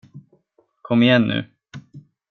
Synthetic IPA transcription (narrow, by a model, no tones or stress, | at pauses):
kʰɔmːɪjɛnːʉ̟̰ː